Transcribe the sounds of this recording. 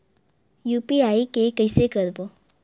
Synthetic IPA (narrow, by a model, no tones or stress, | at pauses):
jupiaikekəjsekəɾbo